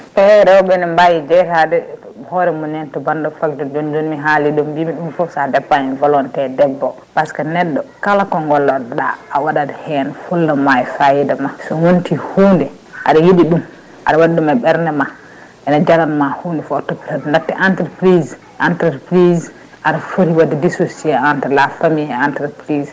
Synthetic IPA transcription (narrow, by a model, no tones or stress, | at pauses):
pɛɾɛwɔɓɛnɛmbajid͡ʒɛtadɛ | hɔɾɛmɔnɛntɔbandɔfakd͡ʒɔd͡ʒond͡ʒonmiɦaliɗɔmbimiɗumfɔsadɛpːanivɔlɔntɛdɛbːɔ | paskanɛɗːɔkalakɔŋɡɔlːɔɗa̰ːwaɗadhɛnfulːamajfajidamasɔwontihuːndɛ | ʔa̰ɗajiɗiɗum | ʔa̰ɗawaɗɗumaɓɛɾnɛma | ʔɛnad͡ʒalanmahundɛfɔtːɔpitadndatːɛʔantɛɾpɾiz | ʔantɛɾpɾiz | ʔaɗafoɾiwadɛdisosiɛantɾlafamiɛantɛɾpɾiz